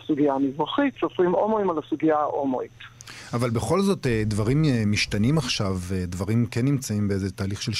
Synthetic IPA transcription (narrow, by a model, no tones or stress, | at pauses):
suɡiaamizʁaχitsovχimomoimalasuɡiaʔomo̰itavalbeχo̞lzo̞tedvaʁimemiʃtanimaχʃavedvaʁimkenːimt͡saimbeezetaːliχʃel